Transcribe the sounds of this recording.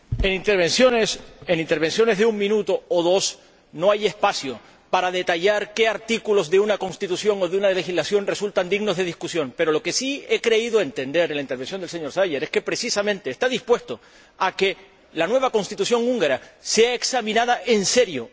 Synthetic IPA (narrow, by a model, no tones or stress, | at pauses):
enint̪eɾβesjonesenint̪eɾβe̞nsjo̞ne̞zðeuŋmĩnut̪oːðo̞s | no̞aje̞spasjo | paɾaðe̞t̪aʎaɾke̞aɾt̪ikulo̞zðeunako̞nst̪it̪usjo̞ŋo̞ðeunale̞xizlasjo̞nre̞sult̪and̪iɣno̞zðe̞ðiskusjo̞ŋpe̞ɾo̞lo̞ke̞sie̞kɾe̞iðoe̞nt̪ẽ̞nd̪e̞ɾlaint̪eɾβe̞nsjonelse̞ɲo̞ɾsajʝeɾe̞ske̞pɾe̞sisamẽ̞nt̪e̞ːst̪aðispwe̞st̪o̞ | ake̞ | lanwe̞β̞ako̞nst̪it̪usjo̞ŋuŋɡaɾase̞aeksamĩnaðaʔe̞nse̞ɾjo̞